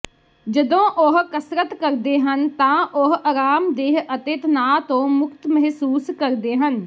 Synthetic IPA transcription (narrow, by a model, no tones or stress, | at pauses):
d͡ʒəd̪õːʔoɦkəsɾət̪kəɾd̪eːɦənt̪ãːʔoɦəɾaːmd̪eːɦət̪ɪt̪naːt̪õːmʊkt̪məɦsuːskəɾd̪eːɦən